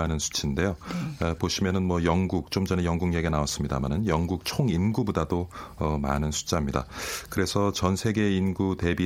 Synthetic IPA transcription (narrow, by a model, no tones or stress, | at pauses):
anɯnsʰu̥t͡ɕʰinde̞joepoɕʰimjʌnɯnmwʌjʌŋɡuk̚t͡ɕ͈omd͡ʑʌnejʌŋɡuŋjeɡe̞naas͈ɯmɲidamanɯnjʌŋɡuk̚t͡ɕʰoŋinɡubudadoʌma̰nɯnsʰu̥t͡ɕ͈ʰamɲida̰kɯɾe̞sʰʌt͡ɕʌnsʰe̞ɡe̞inɡute̞bi